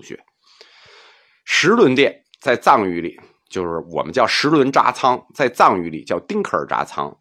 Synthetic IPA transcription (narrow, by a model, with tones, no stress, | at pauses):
ɕɥɛ̰˧˥ | ʂɻ̩˧˥lwə˧˥nt̪jɛ˥˩n | t͡sa˥˧ɪt͡sɑ˥˩ŋy˧˥li˨˩˦ | t͡ɕjo˥˧ʊʂɻ̩˥˩wɔ̰˨˩mə˦nt͡ɕjɑ˥˩ʊʂɻ̩˧˥lwə˧˥nʈ͡ʂa̰˥t͡sʰɑ˥ŋt͡sa˥˧ɪt͡sɑ˥˩ŋy˧˥li˨˩t͡ɕjɑ˥˩ʊt̪i˥ŋkʰə̰˞˨˩ʈ͡ʂa̰˥t͡sʰɑ̰˥ŋ